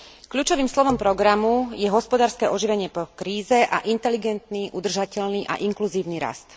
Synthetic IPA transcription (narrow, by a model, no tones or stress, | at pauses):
kʎuːt͡ʃɔʋiːmslɔʋɔmpɾɔɡɾamujɛɦɔspɔd̪aːɾskɛːʔɔʒiʋɛɲɪɛpɔkɾiːzɛʔa̰ʔint̪ɛliɡɛnt̪niːʔud̪r̩ʒacɛʎniːʔa̰ʔiŋkluziːʊniɾa̰st̪